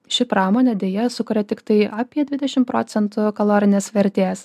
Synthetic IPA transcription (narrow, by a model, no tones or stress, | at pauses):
ʃʲɪpɾɑːmoːnʲɛd̪ʲeːjɛsʊkʊɾʲɛt̪ʲɪkt̪ɐɪɐːpʲiɛd̪ʲʋʲɪd̪ʲɛʃʲɪmpɾoːt̪sʲɛnt̪ʊkɐlˠoːɾʲɪnʲeːsʋʲɛɾʲt̪ʲeːs